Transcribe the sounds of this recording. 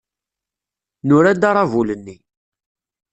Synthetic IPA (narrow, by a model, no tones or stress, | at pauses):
nʊɾæd̪ɑɾˤɑvulənːi